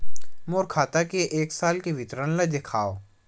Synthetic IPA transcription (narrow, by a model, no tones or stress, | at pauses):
moːɾkʰaːt̪akeʔeːksaːlkeʋɪt̪ɾənlad̪ɪkʰaːoː